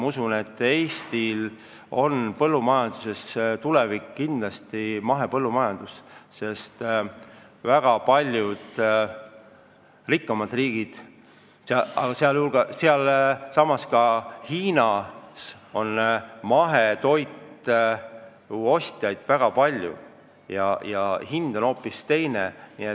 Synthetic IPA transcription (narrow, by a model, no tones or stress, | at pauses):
mɑusune̞t̪ːˑe̞ːst̪il | o̞npɤlːumɑjɑnd̪̥use̞st̪ulevikːkind̪lɑst̪imɑɦe̞pɤlːumɑjɑnd̪̥usse̞st̪ | væɡ̥ɑpɑlʲjud̪̥ | rikˑːɑmɑd̪riːɡ̥id̪̥ | seɑɑ̰ɡ̥ɑseɑljulɡ̥ɑseɑlsɑmɑskɑhiːnɑso̞nmɑɦe̞t̪o̞jt̪ | uo̞st̪ʲjɑjd̪̥væɡ̥ɑpɑlʲjṵ | jɑjɑhind̪̥ono̞ːpːˑist̪e̞jnenie